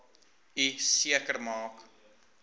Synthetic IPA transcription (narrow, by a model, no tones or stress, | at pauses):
isiəkərmɑːk